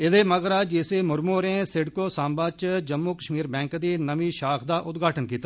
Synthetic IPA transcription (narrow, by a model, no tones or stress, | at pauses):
ɪd̪eːməɡɾaːd͡ʒɪseːmʊɾmoːɾẽːsɪɖkoːsãːmbaːt͡ʃd͡ʒəmːuːkəʃmiːɾbɛ̃ːŋkd̪iːnəmiːʃaːxd̪aːʔʊt̪ɡʱaːʈənkiːt̪aː